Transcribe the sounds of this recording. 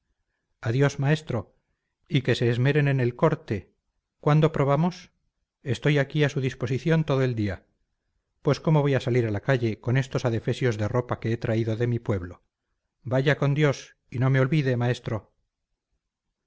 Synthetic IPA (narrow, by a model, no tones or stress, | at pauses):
aðjo̞smae̞st̪ɾo̞ | ike̞se̞ːzme̞ɾe̞nene̞lko̞ɾt̪e̞ | kwand̪o̞pɾo̞β̞amo̞s | e̞st̪o̞jakiasuðispo̞siθjo̞nt̪oðoeld̪ia | pwe̞sko̞mo̞β̞o̞jasaliɾalakaʝe̞ko̞ne̞st̪osaðe̞fe̞sjo̞zðe̞ro̞pake̞et̪ɾaiðo̞ðe̞mipwe̞βlo̞ | baʝako̞nd̪jo̞s | ino̞me̞o̞lβiðe̞mae̞st̪ɾo̞